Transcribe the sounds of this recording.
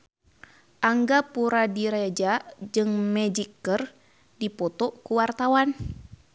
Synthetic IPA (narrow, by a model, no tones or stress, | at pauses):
ʔaŋɡapuɾadiɾed͡ʒad͡ʒɨŋmɛd͡ʒikːər | dipɔt̪ɔkuwart̪awan